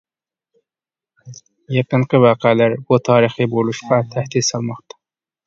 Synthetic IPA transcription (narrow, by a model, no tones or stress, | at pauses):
jɑqɨnqɨʋɑːqeælæɾbut̪ʰɑːɾiχibolˠuʃqɑt̪ʰæhd̪id̪sɑlˠmɑχt̪ɑ̥